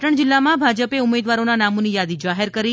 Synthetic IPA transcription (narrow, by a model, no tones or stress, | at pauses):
ʈəɳ̃d͡ʒɪlːamãbʱad͡ʒəpeumed̪ʋaɾonanamonijad̪id͡ʒaɦeɾkəɾi